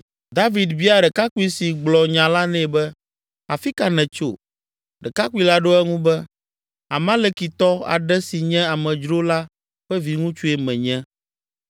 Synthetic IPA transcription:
d̪a˦vi˨d̪vi˦a˦ɖɛ˨ka˦ku˦i˦si˨ɡ͡blɔ˨ɲã˨la˦nɛ̃˦˨bɛ˦ | a˨fi˦ka˨nɛ̃˨t͡ʃo̰˨ | ɖɛ˨ka˦ku˦i˦la˦ɖo˦ɛ˦ŋũ˦bɛ˦ | a˨mã˦lɛ˦ki˨t̪ɔ˦a̰˨ɖɛ˦si˨ɲɛ̃˦a˨mɛ̃˨d͡ʒɾo˦la˦ | ɸɛ˦vi˨ŋũ˦t͡ʃu˦e˨mɛ̃˨ɲɛ̃˦

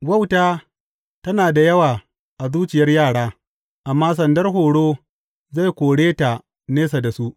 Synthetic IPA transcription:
ɡʷɐ˦˨wtaː˦ | tɐ˦naː˨da˨jɐ˦waː˨ | ʔa˨zuː˦t͡ʃɪ˨jɐ˦rjaː˦˨ɽaː˦ | ʔa˨mːaː˦s̬ɐ˨ndɐ˦rɦoː˨ɽoː˦ | za˦˨jkʷoː˨ɽeː˦ta˨ | neː˦s̬a˨da˨su˦ʔ

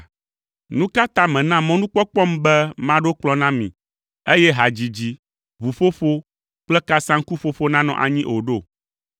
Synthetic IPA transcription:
nũ˦ka˦t̪ã˦mɛ̃˨nã˦mɔ̃˦nũ˦k͡pɔ˦k͡pɔ˦m˦bɛ˦mã˦ɖo˦k͡plɔ˦nã˦mḭ̃˨ | e˦jɛ˦ɦa˨d͡ʑi˨d͡ʑi˦ | βu˨ɸo˦ɸo˦ | k͡plɛ˦ka˦sã˦ŋ˦ku˦fo˦fo˦nã˦nɔ̰̃˨ʔa̰˨ɲĩ˦ʔo˨ɖo˦˨

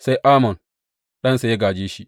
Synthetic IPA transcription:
sa˦jʔaː˦mɔ˨n | ɗɐ˦nsa˨ja˦ɡaː˨d͡ʒeː˦ʃi˦

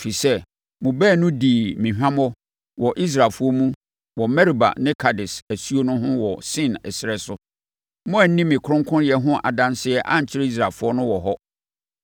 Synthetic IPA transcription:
fi˨sɛ˦ | mʊ̃˨bɛː˦˨nʊ̃˦di˨mĩ˨ɦᶣã˦mɔ˦ | wɔ˨ʔi˦s̬ɾaː˨lfʊ˦ɔ˦mũ˦ | wɔ˨mɛ˦ɾi˨ba̰˨nɪ̃˦kʰa˨dɪ˨sæ˨su˦o˦nʊ̃˦ɦʊ̃˦wɔ˨sɪ̃˦˨nɛ̰˨sɪ˨ɾɛ˦sʊ˦ | mʊ̃˦æ˨n˦nĩ˦mːɪ̃˨kʰʊ˦ɾʊ̃˦ŋkʰʊ̃˦n˦jɛ˦ɦʊ̃˦ʔa̰˨dã˦nsɪ˦ɛ˦ʔã̰˦ɲ̩˨t͡ɕʰɪ˦ɾe˦i˦s̬ɾa˨lfʊ˦ɔ˦nʊ̃˦wɔ˨ɦɔ˦

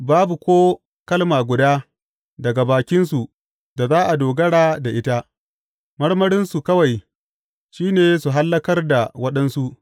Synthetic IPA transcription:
baː˦bu˨kʷoː˦ | kɐ˦lmaː˨ɡʷʊ˨daː˦ | dɐ˨ɡa˨baː˨kʲɪ˦nsu˨ʔ | da˨zaː˦ʔa˨doː˨ɡɐ˦ɽaː˦da˨ʔɪ˦ta˦ | mɐ˦ɽmɐ˦ɽɪ˦nsu˨kɐ˦wa˨j | ʃiː˦neː˨su˨ɦa˦lːɐ˦kɐ˦rda˨wɐ˦ɗɐ˦nsu˦ʔ

